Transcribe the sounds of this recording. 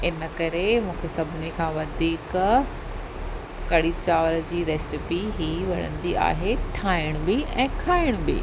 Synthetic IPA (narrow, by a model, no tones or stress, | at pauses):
ɪnəkɐɾemũːkʰesɐbʱɪnikʰãːʋɐd̪ʱiːk | kɐɽit͡ɕaːʋəɾd͡ʑiːɾɛːsɪpiɦiːʋɐɽ̤ə̰̃nd̪ia̰ːɦeʈʰaːɪɽ̃ʊ̃bɪɛ̰̃ːkʰaːɪɽ̃ʊbɪ̰